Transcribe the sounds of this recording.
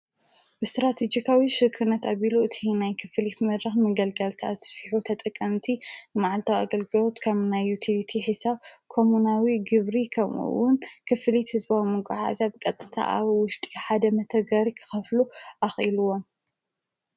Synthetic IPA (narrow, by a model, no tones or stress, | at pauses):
bɨst̪ɾat̪ʰed͡ʒikʰawiʃɨɾkʰɨnːɐt̪aβiluɨt̪ʰinajkʰɨfɨlit̪mɐd̪ɾɐxmɐɡɐlkɐlt̪ʰa̰sfiħut̪ʰɐt̪ʼɨkʼːɐmt̪ʰinɨmaʕalt̪ʰawa̰ɡɐlɡɨlo̞t̪kʰɐβnajːut̪ʰilit̪ʰiħisaβkʰo̞munawiɡɨβɾikʰɐmṵwʊnkʰɨfɨlit̪hɨzbawimɨkʼaħa̰zabɨkʼɐt̪ʼːɨ̥t̪ʰa̰ʔa̰βwʊʃt̪ʼiħad̪ɐmɐt̪ʰɐɡɐɾikʰɨ̥xɐfluʔaxʔiluwom